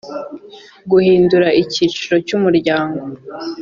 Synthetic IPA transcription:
ɡuhiːnduɾaʔiciːt͡ʃuɾo̞cumuɾɟaːŋɡo̞

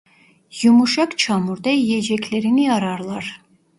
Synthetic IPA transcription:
jumuʃɑkt͡ʃʰɑmuɾd̪ɑijɛd͡ʒɛkʲʰleɾiniɑɾɑɾlˠɑɾ

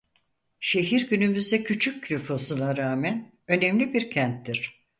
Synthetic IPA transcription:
ʃe̞ɦiɾɟynymyzd̪ɛcʰyt͡ʃʰyc̚ːlʲyfasɯnˠaɾaːmæn | ø̞nemlʲibiɾcʰænt̪ːiɾ̥

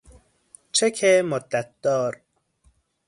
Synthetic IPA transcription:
t͡ʃʰekʰemod̪ːæt̪̚d̪ɒːɾ

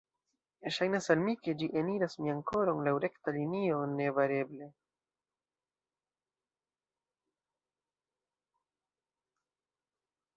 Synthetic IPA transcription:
eʃajnasalmike̞d͡ʒiʔeniɾasmiaŋko̞ɾonlawɾe̞ktalinio̞ne̞vaɾe̞ble̞

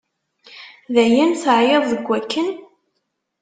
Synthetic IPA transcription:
ðæjænθəʕjeðˤðəɡʷːækːən

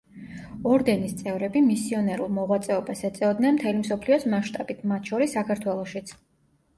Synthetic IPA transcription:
ɔɾd̪ɛnist̪sʼɛvɾɛbimisiɔnɛɾulˠmɔʁwat̪sʼɛɔbasɛt̪sʼɛɔd̪nɛnmt̪ʰɛlimsɔpʰliɔsmaʃt̪ʼab̥it̪ʰmat̪ʰʃɔɾisːakʰaɾt̪ʰwɛlˠɔʃit̪sʰ

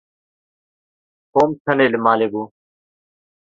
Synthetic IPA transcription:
koːmtʰəneːlmaːleːbuː

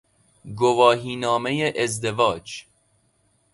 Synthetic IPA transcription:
ɡovɒːɦiːnɒːme̞jeʔezd̪evɒːd͡ʒ

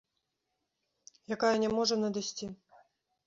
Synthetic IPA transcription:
jakajɐnʲɛmɔʐɐnɐd̪asʲt͡sʲi

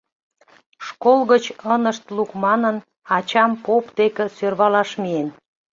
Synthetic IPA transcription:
ʃkolɣət͡ɕənəʃt̪lukmɑnən | ɑt͡ɕɑmpopd̪ekə̆sørβɑlɑʃmien

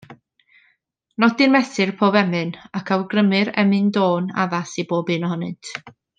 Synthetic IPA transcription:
nɔdɨnmɛθɨrpʰoːvɛmɨnakʰawɡrəmɨɾɛ̰mɨndoːna̰ðasiboːbɨːnɔhɔnɨ̰ntʰ

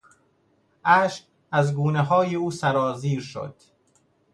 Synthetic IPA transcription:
ʔæːʃq | æzɡuːneɦɒːjeuːsæɾɒːziːɾʃo̰d̪̥

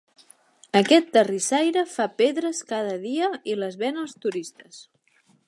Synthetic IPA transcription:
əkɛt̪ːərisajɾəfapeðɾəskað̞əðiəiləzβɛnəlˠst̪uɾist̪əs

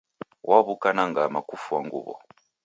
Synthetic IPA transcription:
wʔaβukanaŋɡamakufuaŋɡṵβɔ̰

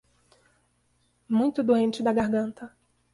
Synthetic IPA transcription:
mũj̃t̪ʊd̪oẽnt͡ʃɪd̪ɐɡaɦɡɐ̃nt̪ɐ

